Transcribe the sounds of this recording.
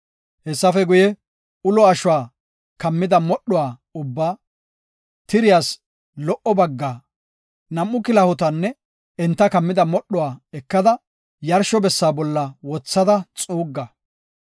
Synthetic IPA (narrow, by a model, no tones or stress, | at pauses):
hɛsːɐfɛɡʊjɛ | ʊlɔɐʃʊwaː | kɐmːɪd̪ɐmɔɗːɔwaːʊbːaː | t̪ɪɾɪjaːs | lɔʔɔbɐɡːaː | nɐmːʊkɪlɐhʊt̪ɐnːɛ | ɛnt̪ːɐkɐmːɪd̪ɐmɔɗːɔwaːɛkːɐd̪ɐ | jɐɾʃɔbɛsːaːbɔlːɐwɔt͡sːɐd̪ɐt͡sʼuːɡːɐ